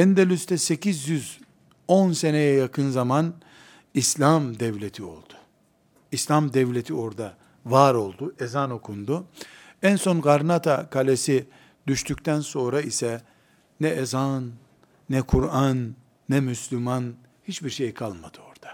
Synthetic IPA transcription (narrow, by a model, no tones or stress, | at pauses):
ɛnd̪elʲyst̪ʰɛse̞cizjyz | onse̞nejɛjakʰɯnzaman | islʲamd̪ɛvlʲet̪ʰio̞̰lˠd̪̥ʊ̥ | islʲamd̪ɛvlʲet̪ʰio̞ɾd̪a | vaːɾo̞lˠd̪uezano̞kʰund̪u | ænso̞nɡaɾnat̪ʰakʰalʲesi | d̪yʃt̪ʰyct̪ʰænso̞nɾaisɛ | nɛezanː | ɛkʰuɾanː | ɛmyslʲyman | hit͡ʃbiɾʃejkʰalˠmad̪̥ɯo̞ɾd̪̥ḁ